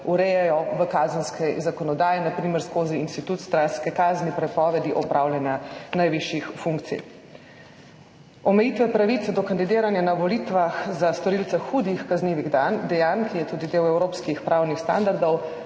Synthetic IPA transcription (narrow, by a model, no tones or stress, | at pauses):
uɾɛjɛjɔʋəkaːzənskɛzakɔnɔd̪aːjɛnapɾiːmɛɾskoːziinst̪it̪ut̪st̪ɾanskɛkaːznipɾɛpɔːʋɛd̪iʔɔpɾʔaːwlʲjanjanajʋiʃjixfuŋkt̪sḭj | ɔmɛjiːt̪ʋɛpɾaʋit̪sɛd̪ɔkand̪id̪eːɾanjanaʋɔlit̪ʋaxzast̪ɔɾilt̪sɛxuːd̪ixkazniːʋiɣd̪and̪ɛjankijɛt̪uːd̪id̪eːwɛwɾoːpskixpɾʔaːwnixst̪a̰nd̪aɾd̪ɔw